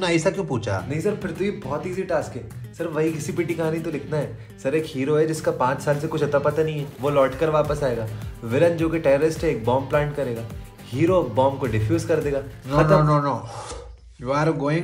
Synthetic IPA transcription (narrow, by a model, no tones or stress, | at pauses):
naɐsakjũːpuːt͡ʃʰa̰nɐɦĩsɐɾfɪɾt̪oibɔːt̪iːziʈaːskɦɛːsɐɾʋɐɦikɪsipɪʈikɐɦãːnit̪olɪkʰnaɦɛ | sɐɾeːkɦiːɾoɦɛd͡ʒɪskapãːt͡ʃsaːls̬ekʊt͡ʃʰɐt̪apɐt̪anɐ̃ɦĩɦɛːʋolɔːʈkɐɾʋaːpəsaːeːɡaːʋɪlə̃nd͡ʒoːkeʈɛːɾəɾɪsʈɦɛeːk̚bɔːmplãːɳʈ̚kɐɾeːɡaː | hiːɾobɔ̃ːmkoɖɪfjuːzkɐɾd̪eːɡaːnoɐnonono | juaːɾɡoːɪ̃ŋ